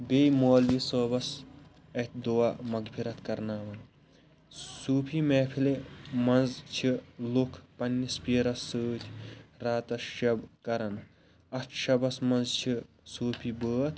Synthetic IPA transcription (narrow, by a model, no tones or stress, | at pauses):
bejmoːljisoːbɐs | ɐt̪ʲd̪oamɐɡpʰiɾɐt̪kɐɾnaːʋɐn | suːpʰimɛːpʰilemɐnzt͡ʃʰilukʰpɐnʲːispʲiːɾɐsɨːt̪ʲʰɾaːt̪ɐʃɐbkɐɾɐn | ɐt̪ʰʃɐbɐsmɐnzt͡ʃʰi | suːpʰibəːt̪ʰ